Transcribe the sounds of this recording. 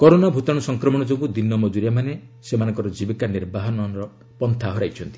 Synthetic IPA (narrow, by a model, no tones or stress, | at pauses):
kɔɾonabʱut̪ɔɽ̃ɔsɔŋkɾɔmɔɽ̃ɔd͡ʒobud̪inːɔmɔd͡ʒuɾjamanesemanɔ̃ŋkɔɾɔd͡ʒibikaniɾbaɦɔnɔɾɔ | pɔnt̪ʰaɦɔɾajt͡ʃʰɔnt̪i̥